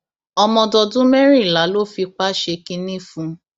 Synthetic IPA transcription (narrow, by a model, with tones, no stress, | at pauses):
ɔ˧mɔ̃˧dɔ˧dũ˦mɛ˦ɾ̃ĩ˦˨la˨˦lo˦fi˧k͡pa˦ʃe˧kĩ˧nĩ˦˨fũ˧˦